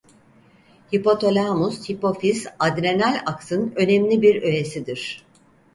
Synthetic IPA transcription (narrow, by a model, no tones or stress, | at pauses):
hipo̞t̪ʰo̞lʲamushipo̞fizad̪ɾe̞nælʲaksɯnø̞nɛmlʲibiɾø̞e̞sid̪iɾ̥